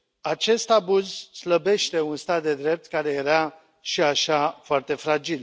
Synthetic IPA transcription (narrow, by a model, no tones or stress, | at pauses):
at͡ʃe̞st̪abuzsləbe̞ʃt̪e̞unst̪at̪̚d̪e̞d̪ɾe̞p̚t̪kaɾe̞je̞ɾa | ʃiaʃafoart̪e̞fɾad͡ʒil